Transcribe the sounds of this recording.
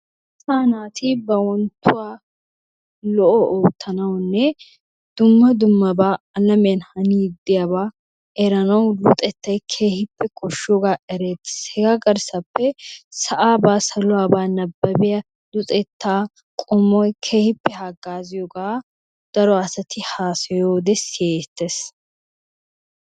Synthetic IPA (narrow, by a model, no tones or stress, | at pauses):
sɐːnaːt̪ʰibɐwɔnt̪ːʊwaː | lɔʔɔoːt̪ːɐnɐwnːɛ | d̪̥ʊmːɐd̪ʊmːɐbaː | ɐlɐmenhɐniːd̪ːɪjɐbaː | ɛɾɐnɐwd̪ʊt̪ʼɛt̪ːɐjkʰe̞ːhɪpːɛkʰɔʃːoɡaːʔɛɾeːt̪ːɪ̥shɛɡaɡɐɾsɐpːɛsɐʔaːbaːsɐlʊwaːbaːnɐbːɐbɪjɐ | d̪ʊt̪ʼɛt̪ːaː | kʼɔmɔjkʰeːhɪpːɛhaɡːaːzɪjɔɡaː | d̪̥ɐɾɔɐsɐt̪ʰɪhaːsɐjoːd̪ɛseːt̪ːes